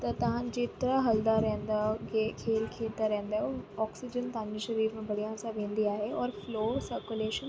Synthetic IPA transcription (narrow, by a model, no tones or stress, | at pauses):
t̪ɐt̪ɐʋ̤ãd͡ʑeːt̪ɾəɦɐld̪aɾɛɦnd̪akekʰeːlkʰeːt̪aɾɛ̃ɦə̃nd̪aːɦoɔːksɪd͡ʑənt̪ɐɦãɲd͡ʑiʃɐɾiːɾmẽbɐɽijãsãʋẽːnd̪iaːɦeɔːɾfloːsəɾkuleːʃən